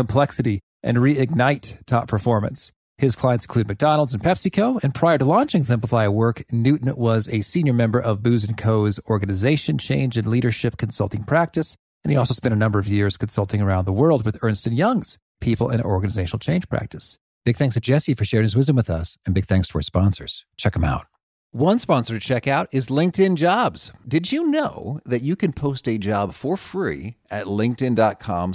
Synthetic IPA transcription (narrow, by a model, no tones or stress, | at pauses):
kə̃m̩pʰl̥ɛksɨɾi | ʔɨ̰̃nɹiɪɡ̚naɪtʰɑpʰə˞fɔɹmɨ̰̃ns | hɨz̥kʰl̥ãɪɨ̃nsn̩kʰʉd̚mɨk̚d̥ɑnl̩ˠdz̃n̩pʰɛpsɨkʰoʊɨ̃npʰɹ̥aɪə˞ɾəlɔ̃nt͡ʃɪ̃ŋzɪ̃mpləfaɪɨwɜ˞knʉʔn̩wʌzɨsĩnjə˞mɛ̃mbə˞ʔʌvbʉzɨ̃nkʰoʊzɔɹɡɨnɨzeɪʃɨ̃nt͡ʃʰḛ̃ɪ̃nd͡ʒɨ̃nliɾə˞ʃɪp̚kʰn̩sʌ̰lˠtɪ̃ŋpʰɹ̥æk̚tɨs | ɨ̃niɔlˠsoʊspɛ̃ntəɨnʌ̃mbə˞ʌvjɪɹz̥kn̩sʌlˠtɪ̃ŋə˞ãʊ̃nðəwɜ˞lˠd̚wɨðɜ̃˞nstɨ̃njʌ̃ŋz̥ | pʰipl̩ˠɪ̰̃nɔɹɡɨnɨzeɪʃnl̩ˠt͡ʃʰẽɪ̃nʒ̥pʰɹ̥æ̰k̚tɨs | b̥ɪɡ̚θæ̃ŋkstʰɨd͡ʒɛsifə˞ʃɛɹɪ̃ŋɨzwɪzdə̃mwɨðʌsɨ̃nbɪɡ̚θæ̃ŋkstʰəə̰˞spɑ̃nsə̰˞z̥t͡ʃʰɛkə̃ma̰ʊt̚ | wʌ̃nspɑ̃nsə˞t͡ʃʰɛkaʊɾɪzlɪ̃ŋk̚tɪ̃nd͡ʒɑbz̥d̥ɨd͡ʒɨnoʊðɨt͡ʃɨkɨ̃npʰoʊstɨd͡ʒɑb̥fə˞fɹḭɨtˡlɪ̃ŋk̚tɨ̃ndɑt̚kʰɑ̰̃m